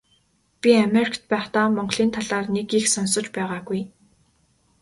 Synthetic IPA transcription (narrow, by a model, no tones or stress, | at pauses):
pʲiameɾikʰt̪̚pæːχt̪aːmɔɴɢɮ̥iːnt̪ʰaɮaːrnekixsɔnsɞ̆t͡ɕpæːʁaːɡuj